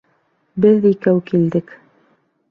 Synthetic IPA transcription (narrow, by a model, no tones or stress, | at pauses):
bɘðikæwkild̪ɘk